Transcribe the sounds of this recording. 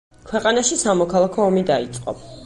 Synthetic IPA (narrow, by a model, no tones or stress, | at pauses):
kʰwɛqʼanaʃisamɔkʰalˠakʰɔːmid̪ait̪sʼqʼɔ̰